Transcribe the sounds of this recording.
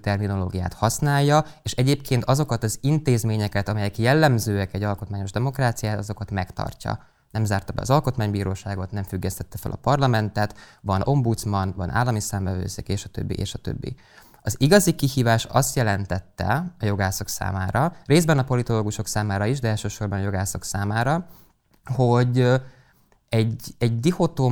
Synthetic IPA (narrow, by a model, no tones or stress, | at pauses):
t̪ɛrmino̞lo̰ːɡija̰ːt̪hɒsnaːjːɒeːʃɛɟeːpkʰeːnt̪ɒzo̞kɒt̪ɒzint̪eːzmeːɲɛkɛt̪ɒmɛjɛkjɛlːɛmzøːɛkɛɟːɒlko̞t̪maːɲo̞ʒd̪ɛmo̞kraːt̪sijaːt̪ɒzo̞kɒt̪mɛkt̪ɒ̰rcɒ̰ | nɛmzaːrt̪ɒbɛ̰ɒ̰zɒlko̞t̪maːɲbiːɾoːʃaːɡo̞t̪nɛɱfyɡːɛst̪ɛt̪ːɛfɛ̰lɒ̰pɒrlɒmɛnt̪ɛt̪vɒnʔo̞mbut̪smɒnvɒnʔa̰ːlːɒmisaːɱvɛvø̰ːsḛːkeːʃɒt̪ø̰bːḭʔḛːʃɒt̪ø̰bːḭ | ɒziɡɒzikihiːvaːʃɒst̪jɛlɛnt̪ɛt̪ːɛ̰ɒjo̞ɡaːsɒksa̰ːmaːɾɒreːzdbɛnɒpo̞lit̪o̞loːɡuʃo̞ksaːmaːɾɒiʒd̪ɛɛːlʃøːʃo̞rbɒnɒjo̞ɡaːsɒksaːmaːɾɒ | ho̞ɟ | ɛɟɛɟd̪ihot̪oː